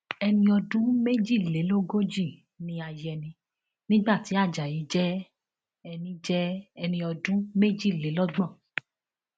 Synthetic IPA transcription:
ɛ˧nĩ˧ɔ˧dũ˦me˦d͡ʒi˦˨le˨˦lo˦ɡo˦d͡ʒi˦˨ | nĩ˧a˧jɛ˧nĩ˧ | nĩ˦ɡ͡ba˦˨ti˨˦a˦˨d͡ʒa˨ji˨˦d͡ʒɛ˦ | ɛ˧nĩ˧d͡ʒɛ˦ɛ˧nĩ˧ɔ˧dũ˦me˦d͡ʒi˦˨le˨˦lɔ˦ɡ͡bɔ̃˦˨

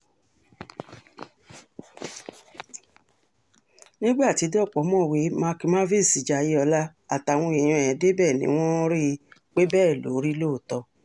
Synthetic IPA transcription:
nĩ˦ɡ͡ba˦˨ti˧˦de˦ɔ˦˨k͡pɔ˨˦mɔ̃˦˨we˨˦mã˧ki˧mã˦vi˦˨si˨d͡ʒa˨ji˦ɔ˧la˦ | a˨ta˨w̃ɔ̃˧e˨j̃ũ˧˨ɛ˨de˦bɛ˦˨nḭ̃˦w̃ɔ̃˦ɾi˦˧k͡pe˦bɛː˦˨lo̰˨˦ɾi˦lo˦˨tɔ˧

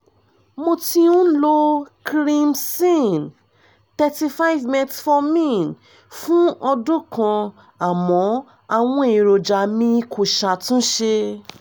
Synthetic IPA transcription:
mo˧ti˧ũ˦lo˦kɾĩ˧msĩ˦˨n | tɛ˧ti˧fa˦i˦vmɛ̃˧tfɔ˧mĩ˦˨n | fũ˦ɔ˧dũ˦kã˧ | a˨mɔ̃˨˦ | a˧w̃ɔ̃˧˦i˨ɾo˧d͡ʒa˧mĩ˧kʰo˧˨ʃa˧tũ˦ʃe˧

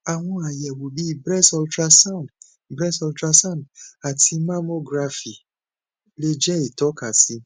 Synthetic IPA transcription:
a˨w̃ɔ̃˧a˨jɛ˨wo˨bi˦˨bɾɛ˦sɔ˦ltɾa˧sã˦˨nd | bɾɛ˦sɔ˧ltɾa˧sã˦˨nda˨tʰi˧ma˦mo˦ɡɾa˧fi˨ | le˦d͡ʒɛ˦i˨tɔ˨˦ka˨si˨˦

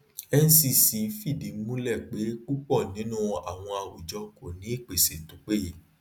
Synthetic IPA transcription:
ɛ˦n̩˦si˧si˧fi˦˨di˨˦mũ˦lɛ˦˨k͡pe˨˦k͡pu˦k͡pɔ˦˨nĩ˨˦nũ˦a̰˨w̃ɔ̃˧a˨wu˨d͡ʒɔ˧ko˨nĩ˨˦i˦˨k͡pe˨se˨tũ˨˦k͡pe˦ji˨˦

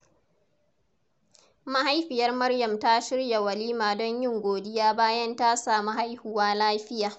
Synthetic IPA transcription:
ma˦ha˦jɸɪ˨jɐ˦rmɐ˦rjɐ˨mta˦ʃɪ˦ɽja˨wɐ˨liː˦maː˨dɔ˦ɲjɪ˦ŋɡʷoː˨dɪ˦jaː˦baː˦jɐ˦ntaː˦saː˨mu˦ha˦jhʊ˨waː˦laː˦ɸɪ˦jaː˨

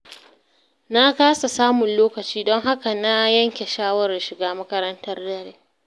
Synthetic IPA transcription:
na˦kaː˦sa˨saː˦mʊ˨nloː˦kɐ˨t͡ʃiː˦dɔ˦ŋɦa˦ka˨na˦jɐ˦ŋkʲe˨ʃaː˦wɐ˦˨ra˨ʃɪ˨ɡaː˦mɐ˦kɐ˦ɾɐ˦ntɐ˦rdɐ˦ɾeː˦

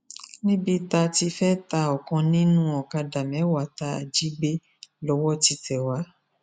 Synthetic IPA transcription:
nĩ˦bi˧ta˧ti˧fɛ˦ta˧ɔ˨kã˧nĩ˦nũ˦ɔ˨ka˧da˨mɛ̃˨˦wa˨˦ta˧˦a˨d͡ʒi˦ɡ͡be˦ | lɔ˨˦wɔ˦ti˨˧tɛ˨wa˨˦

